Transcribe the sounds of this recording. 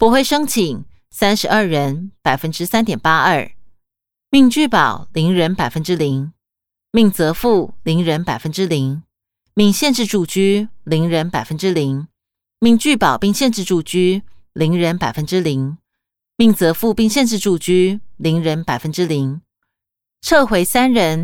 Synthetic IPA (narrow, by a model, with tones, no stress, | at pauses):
pwɔ˧˥xwe˥˩ɪʂɤ˥ŋt͡ɕʰi˨˩˦ŋ | sa˥nʂɻ̩˧˥ə˞˥˩ɻə˧˦˥npa˨˩ɪfə˦˥nʈ͡ʂɻ̩˥sa˥nt̪jɛ˨˩npa˥ʔə˞˥˩ | mi˥˧ŋt͡ɕy˥˩pɑ˨˩ʊli˧˥ŋɻə˧˥npa˨˩ɪfə˦˥nʈ͡ʂɻ̩˥li˧˥ŋ | mi˥˩ŋt͡sɤ˧˥fu˥˩li˧˥ŋɻə˧˥npa˨˩ɪfə˦˥nʈ͡ʂɻ̩˥li˧˥ | mi˥˧ŋɕjɛ˥˧nʈ͡ʂɻ̩˥˧ʈ͡ʂu˥˧t͡ɕy˥li˧˥ŋɻə˧˥npa˨˩ɪfə˦˥nʈ͡ʂɻ̩˥li˧˥ŋ | mi˥˧ŋt͡ɕy˥˩pɑ˨˩ʊpi˥˧ŋɕjɛ˥˧nʈ͡ʂɻ̩˥˧ʈ͡ʂu˥˧˩t͡ɕy˥li˧˥ŋɻə˧˥npa˨˩ɪfə˦˥nʈ͡ʂɻ̩˥li˧˥ŋ | mi˥˩ŋt͡sɤ˧˥fu˥˧pi˥˧ŋɕjɛ˥˧nʈ͡ʂɻ̩˥˧ʈ͡ʂu˥˩t͡ɕy˥li˧˥ŋɻə˧˥npa˨˩ɪfə˦˥nʈ͡ʂɻ̩˥li˧˥ŋ | ʈ͡ʂʰɤ˥˩xwe˧˥ɪsa˥nɻə˧˥n